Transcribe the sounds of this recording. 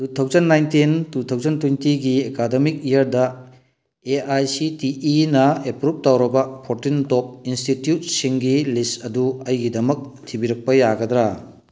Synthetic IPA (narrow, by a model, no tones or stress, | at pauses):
tutʰawzɐnːajntintutʰawzɐntujntiɡiekademik̚ijɐɾdɐ | eajsitiinɐepɾup̚tawɾɐbɐpʰoɾtintop̚institjut̚siŋɡilistɐduɐjɡidɐmɐk̚tʰibiɾɐk̚pɐjaɡɐd̪ɾa